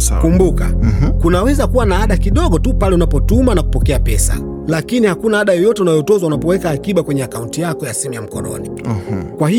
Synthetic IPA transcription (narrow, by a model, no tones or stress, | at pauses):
kumbuka̰kunawɛzakuwanaaɗakiɗɔɠɔtupalɛunapɔtumanaku̥pɔkɛapɛsa̰ | lakinihakunaaɗajɔjɔtɛunajɔtɔzaunapɔwɛkaːkiɓakwɛɲɛakauntijakɔjasimujam̩kɔnɔ̰ni | kwahi